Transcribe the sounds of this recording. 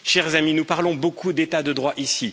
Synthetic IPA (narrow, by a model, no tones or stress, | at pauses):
ʃɛʁzaminupaʁlɔ̃bokud̪et̪ad̪əd̪ʁwaʔisi